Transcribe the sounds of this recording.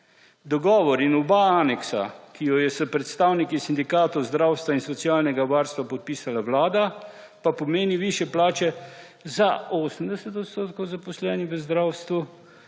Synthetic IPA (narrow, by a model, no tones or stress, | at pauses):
d̪ɔɡɔːʋɔɾinɔbaaːnɛksa̰kijɔjɛsəpɾɛt̪st̪aːwnikisind̪ikaːt̪ɔwzd̪ɾawst̪ʋainsɔt̪siaːlnɛɡaʋaɾst̪ʋapɔt̪̚piːsalaʋlaːd̪a | papɔmeːniʋiːʃjɛplaːt͡ʃɛ | zaoːsəmd̪ɛsɛt̪ɔt̪st̪oːt̪kɔwzapɔslɛnixʋəzd̪ɾawst̪ʋu